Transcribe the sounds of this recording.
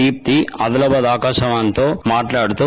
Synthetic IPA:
iːp̚t̪iɐd̪ɐlɐbɐd̪aːkaːʃɐʋant̪oːmaːʈlaːɽut̪u

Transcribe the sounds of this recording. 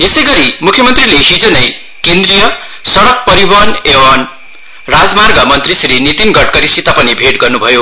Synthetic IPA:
esʌjɡʌɾimukʰjʌmʌnt̪rileɦid͡zʌnʌj | kend̪rijʌ | sʌɽʌk̚pʌɾibʌnewan | rad͡zmarɡʌmʌnt̪risɾinit̪inɡʌʈ̚kʌɾisit̪apʌnibʱeʈɡʌrnubʱʌjo

